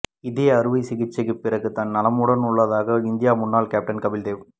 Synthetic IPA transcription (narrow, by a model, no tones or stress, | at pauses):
ɪðeːɐɾɯʋɐɪsɪɣɪt͡ʃːɐɣɯpːɪrɐɣɯt̪ɐnːɐlɐmuːɽɐnʊɭːɐðaːɣɐɪnd̪ɪjaːmʊnːaːlkaːp̚ʈɐnkɐʋɪld̪eːʋ